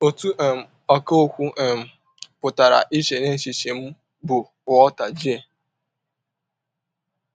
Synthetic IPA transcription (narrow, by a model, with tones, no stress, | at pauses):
o˨tu˦ʔm̩˨ | ɔ˨ko˦o˦kʷu˦˨m̩˨ | pʊ˨ta˨ɾa̰˨ʔi˦ʃe˨ne˦ʃi˨ʃe˨m̩˦ | bʊ˨ | ʊ˨ɔ˦ta˨d͡ʒe˨